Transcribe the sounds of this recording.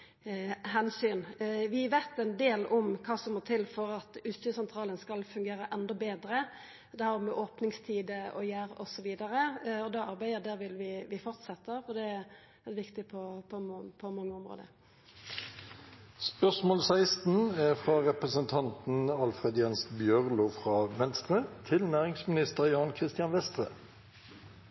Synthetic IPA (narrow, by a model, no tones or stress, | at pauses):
hɛnsyːnʋɪʋæːt̪ɛnd̪eːlɔmkʰɑːsɔmːɔt̪ʰɪlfɔɾɑt̪ʉst̪əsɛnt̪ʰɾʁɑːlənskɑlfʉŋɡeːɾəʔɛnd̪ɔbeːd̪ɾə | d̪ɛhæːɾmɛʔoːpnɪŋst̪ʰiːd̪əɔ̰jæːɾɔ̰sɔʋiːd̪ɑɾəɔd̪ɑɑɾbæɪd̪əd̪æːʋɪlʋɪʋɪfɔʁt̪sɛt̪ːəɾɔd̪ɛ | ɛʋɪkt̪ɪpʰɔpʰɔpʰɔmɑŋːəɔmʁo̰ːd̪əɾ | spœsmoːlsæɪst̪n̩æfʁɑʁɛpʁəsənt̪ʰɑnt̪n̩ɑlfʁɛd̪jɛnsbjœʁlʊfʁɑːʋɛnst̪ʁət̪ʰɪlnæːʁɪŋsmɪnɪst̪əʁjɑːnkʰʁɪst̪ɪɑnʋɛst̪ʁə